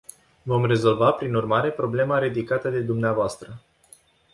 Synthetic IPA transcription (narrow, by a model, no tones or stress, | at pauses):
vo̞mre̞zo̞lvapɾinurmaɾe̞pɾo̞ble̞maɾid̪ikat̪əd̪e̞d̪umneavoast̪ɾə